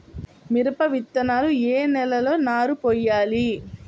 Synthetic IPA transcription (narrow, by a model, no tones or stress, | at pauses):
miɾɐpɐʋit̪ːɐnaːlueːnɛlɐlo̞ːnaːɾupɔːjːaːli